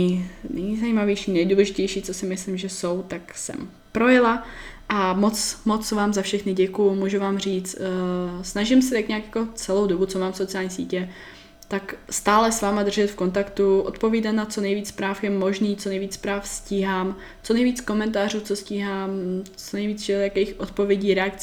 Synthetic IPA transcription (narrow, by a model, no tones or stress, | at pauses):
nɛjzaiːmavjɛjʃiːnɛjduːlɛʒɪcɛjʃiːt͡so̞sɪmɪslimʒɛso̞wt̪aksɛ̰m | pɾo̞jɪla | ʔamo̞t͡smot͡svaːmzafʃɛxnɪɟɛkujmuːʒuvaːmr̝iːt͡st̪snaʒɪmsɛt̪akɲɛakjako̞t͡sɛlo̞wdobut͡so̞maːmsot͡sɪjaːlɲiːsḭːcɛ | t̪akst̪aːlɛsvaːmad̪r̩ʒɛt̪fko̞nt̪akt̪uʔo̰t̪poviːdat̪nat͡so̞nɛjviːt͡spɾaːfjɛmo̞ʒniːt͡sonɛjviːt͡spɾaːfsciːɦaːm | t͡so̞nɛjviːt͡sko̞mɛnt̪̬aːruːt͡so̞sciːɦaːmt͡sonɛjviːt͡sʒɛjakɛjxʔot̪po̞vjɛɟiːɾɛakt͡s